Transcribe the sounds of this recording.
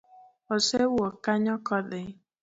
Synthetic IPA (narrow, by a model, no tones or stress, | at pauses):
osewokaɲɔkɔðɪ